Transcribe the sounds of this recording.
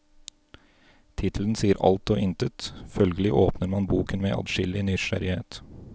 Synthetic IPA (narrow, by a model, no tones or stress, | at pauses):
t̪ʰɪt̪ʰl̩ənsiːəɾʔɑ̰lt̪oːʔɪnt̪ət̪fœlɡəlɪʔoːpnəɾmɑnbuːkənmeːʔɑ̰d̪ʃɪlɪnʏʃæ̰ɾɪheːt̪